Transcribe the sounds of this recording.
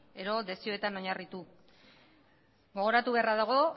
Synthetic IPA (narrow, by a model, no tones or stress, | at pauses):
e̞ɾo̞ðe̞sio̞e̞t̪ano̞ɲarit̪u | ɡo̞ɣ̞o̞ɾat̪uβe̞araðaɣ̞o̞